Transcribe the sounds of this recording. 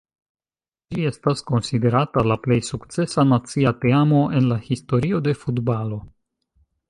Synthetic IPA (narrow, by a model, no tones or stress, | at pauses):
d͡ʒie̞stasko̞nside̞ɾatalaple̞jsukt͡se̞sanat͡siate̞amo̞ʔe̞nlahisto̞ɾio̞de̞futbalo̞